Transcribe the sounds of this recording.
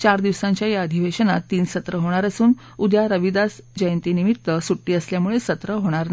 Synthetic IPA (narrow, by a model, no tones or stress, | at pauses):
t͡ɕaɾd̪iʋsãɲt͡ɕjajaəd̪ʱiʋeɕənat̪ːiːnsət̪ɾəɦoɽ̃aɾəsuːn | ud̪jaɾəʋid̪asd͡ʑəjənt̪iːnimit̪ːəsuʈːiːəsljamuɭesət̪ɾəɦoɽ̃aɾn